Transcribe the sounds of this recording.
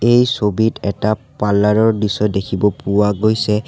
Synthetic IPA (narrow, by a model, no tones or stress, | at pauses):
ejsobitɛtapalːaɹɔɹdisɔdekʰibɔpʊwaɡojsɛ